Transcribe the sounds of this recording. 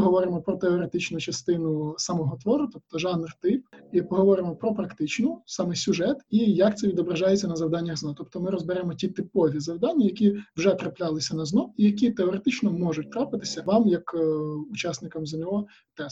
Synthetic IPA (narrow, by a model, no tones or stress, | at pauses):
ɦɔʋɔɾɪmɔpɾɔt̪eɔɾet̪ɪt͡ʃnʊt͡ʃɐst̪ɪnʊsɐmɔɦɔt̪ʋɔɾʊt̪ɔp̚t̪ɔʒɑnrt̪ɪp̚ipɔɦɔʋɔɾɪmɔpɾɔpɾɐkt̪ɪt͡ʃnʊsɑmɛsʲʊʒɛt̪ijɐk̚t̪sɛʋʲid̪ɔbɾɐʒɑjet͡sʲːɐnɐzɐʋd̪ɑnʲːɐɣznat̪ɔpt̪ɔmɪɾɔzbɪɾɛmɔtʲit̪ɪpɔʋʲizɐwd̪ɑnʲːɐjɐkʲiwʒɛt̪ɾɐplʲalˠɪsʲɐnɐznɔijɐkʲit̪eɔɾet̪ɪt͡ʃnɔmɔʒʊt̚ʲt̪ɾɑpɪt̪ɪ̥sʲɐʋɑmjɐkʊt͡ʃɑsnɪkɐmzɐnʲɔɔ | t̪ɛ